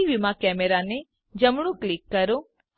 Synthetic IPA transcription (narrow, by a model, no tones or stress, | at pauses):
iʋɪmakɛːmeɾane | d͡ʒɐmɽ̃ũklɪkːɐɾo